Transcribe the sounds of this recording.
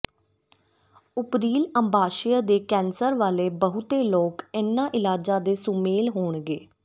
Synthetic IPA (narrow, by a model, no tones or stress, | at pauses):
ʊpɾiːləmbʱaːʃɪjəd̪eːkɛːnsəɾʋaːleːbəɦʊt̪eːloːkɪnːãːʔɪlaːd͡ʒãːd̪eːsʊmeːlɦoːɳɡeː